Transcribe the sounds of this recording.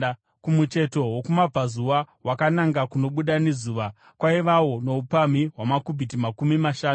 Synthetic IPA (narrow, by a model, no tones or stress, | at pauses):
kumut͡ʃe̞to̞wokumab͡vazuʋa | wakanaŋɡakuno̞ɓuɗane̞zuːʋa | kwaiʋawo̞no̞upamiɦwamakubʱitimakumimaʃaː